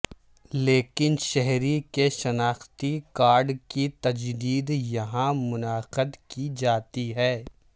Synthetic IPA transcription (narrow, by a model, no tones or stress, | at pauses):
leːkɪnʃɛɦɾikeʃɐnaːxt̪ikaːɾɖkit̪ɐd͡ʒd̪iːd̪jɐɦãmʊnaːqəd̪kid͡ʒaːt̪iɦɛː